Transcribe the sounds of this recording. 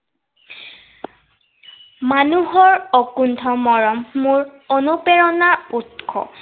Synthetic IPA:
manuɦɔɹɔkundʱɔmɔɹɔmːuɹɔnupɛɹɔnaɹutkʰɔ̰

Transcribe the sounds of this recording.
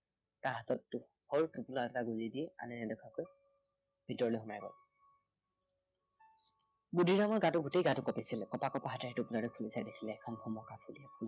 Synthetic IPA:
taɹɦatɔtːʊ | hɔɹtupulaɛtaɡuzidiɛa̰nɛnɛdɔkʰakoj | b̥ʱitɔɹɔlojɦunajɡɔ̰l | budʱiɹamɔɹɡatʊɹɡutejɡatʊkɔpisilkɔpakɔpaɦatɛɦɛtʊpunaɹɔkʰulisajdekʰilɛːkʰɔnpʰɔmɔkapʰuliɛpʰul

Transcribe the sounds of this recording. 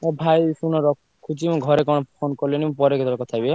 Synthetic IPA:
ebʱajsunɔɾɔkʰ | kʰːut͡ʃimɔ̃ɡʱɔɾekɔɽɔpfʰonkɔɾlenimpɔɾeɡʱet̪ɔɾkɔt̪ʰabie

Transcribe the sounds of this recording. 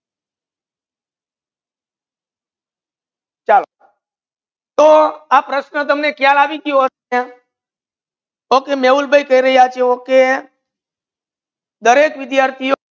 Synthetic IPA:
t͡ʃal | t̪oapɾəʃnət̪̬əmnekjalaʋiɡijoɦə | e | okemeulbʱəikəiɾəɦiat͡ʃʰeoke | d̪əɾekʋɪd̪jaːɾt̪ʰijo

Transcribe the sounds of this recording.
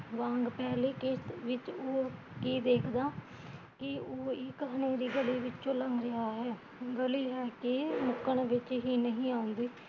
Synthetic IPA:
ʋãːŋɡpɛːliːkɪsʋɪt͡ʃoː | kiːd̪eːkʰd̪aː | kɪoːɪkɦneːɾiːɡəliːʋɪt͡ʃt͡ʃõːləŋɡɾɪaːɦɛː | ɡəliːɦɛːkɪmʊkəɳʋɪt͡ʃɦiːnəɦĩːãːʊ̃nd̪iː

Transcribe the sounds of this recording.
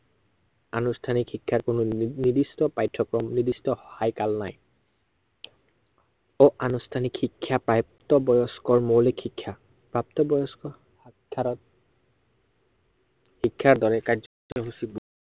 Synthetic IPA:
anustʰanikʰikʰːaɹkʊnʊnidistɔpajtʰːɔkɹɔmnidistɔxɔhajkalna̰j | ɔʔanustʰanikhikʰːjapɹap̚tɔbɔjɔskɔɹmolekʰikʰːja | pɹap̚tɔbɔjɔskɔ | aɔ | hikʰːaɹdɔɹɛkaɹzɔtɔɦusibɔ

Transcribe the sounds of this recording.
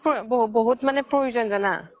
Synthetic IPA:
pbbɔɦutmanɛpɹojuzɔnzana̰

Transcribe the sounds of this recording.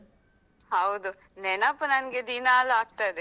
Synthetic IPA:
hɐwd̪unenɐpːɐnɐnɡed̪inaːlaːk̚t̪ad̪e

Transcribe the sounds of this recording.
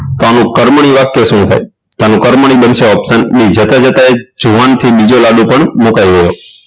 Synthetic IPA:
t̪anũkəɾmɳ̃iʋakːesũt̪ʰa̰j | t̪anũkəɾməɳ̃ibənseɔpsənːid͡ʒət̪ad͡ʒət̪aed͡ʒuʋant̪ʰibid͡ʒolaɖũpəɳmukajɡəjo

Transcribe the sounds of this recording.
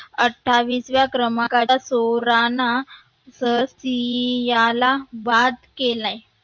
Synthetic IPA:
əʈʰːaʋiːsʋjakɾəmakaasoɾana | səsijalabad̪kelaj

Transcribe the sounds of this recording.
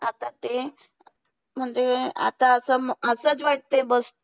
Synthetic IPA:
at̪ãt̪e | m̤əɳd͡zea̰t̪ãəsəməsət͡sʋaʈ̚t̪ebəst̪

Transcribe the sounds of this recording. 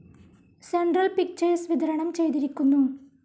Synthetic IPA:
seɳɖrɐlpik̚t͡ɕɐɾsʋid̪ʱɐɾɐɳɐmt͡ɕe̞jt̪iɾikʲːunːu

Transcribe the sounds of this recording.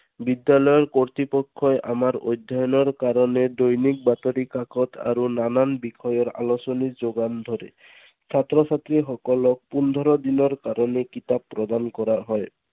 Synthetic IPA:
bid̪jalɔjɔɾkɔɹt̪ipɔkʰːɔjʔa̰maɾo̰jd̪ʱjɔjɔnɔɾkaɾɔned̪ojnik̚bat̪ɔɾikakʰɔt̪ʰa̰ɾunananbikʰɔjɔɾa̰losɔnid͡ʒoɡand̪ʱɔɾḛ | sʰat̪ɾɔsat̪ɾiɦɔkɔlɔk̚pund̪ʱɔɾɔd̪inɔɾkaɾɔnekit̪abːɾɔd̪ankɔɾaɦɔj

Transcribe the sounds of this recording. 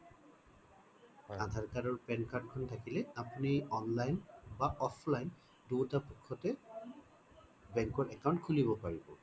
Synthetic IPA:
ad̪ʱaɹkaɹɔɹpɛnkaɹt̚kʰɔntʰakilɛapuniɔnlajnbaʔɔpʰlajn | dutapukʰːɔtɛ | bɛŋkɔɹʔɛkawntkʰulibɔpaɹibɔ

